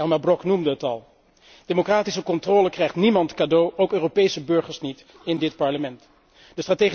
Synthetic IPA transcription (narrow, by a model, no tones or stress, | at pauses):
ɛlˠmɛbrɔknumdəɦətɑlˠ | d̥emokraːtisəkɔntrɔːləkrɛjχtnimɑntkaːdowʔowkøːropejsəbɵɹχəɹsnit | ɪndɪtpɑɹləmɛnt | d̥əstraːteː